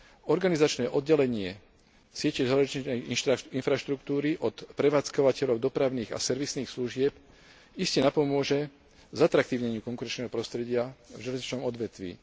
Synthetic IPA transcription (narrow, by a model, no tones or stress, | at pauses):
ɔɾɡanizat͡ʃnɛːʔɔd̪̚ɟɛlɛɲɪɛ | sɪɛcɛʒalɛɛjinfɾaʃt̪ɾukt̪uːɾiʔɔt̪pɾɛʋaːt͡skɔʋacɛʎɔʊd̪ɔpɾaʊniːɣa̰sɛɾʋisniːxsluʒɪɛp | iscɛnapɔmʊɔʒɛ | zat̪ɾak̚t̪iːʊɲɛɲɪuːkɔŋkuɾɛnt͡ʃnɛːɦɔpɾɔst̪ɾɛɟɪavʒɛlɛzɲit͡ʃnɔmɔd̪ʋɛt̪ʋḭː